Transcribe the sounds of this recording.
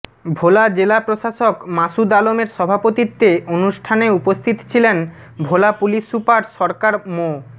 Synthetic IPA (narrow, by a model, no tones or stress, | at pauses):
bʱolad͡ʑelapɾoʃaʃokmaʃud̪alomeɾʃɔbʱapot̪it̪ːeʔonuʃʈʰaneupost̪ʰit̪t͡ɕʰilen | bʱolapuliʃupaɾʃɔɾkaɾmo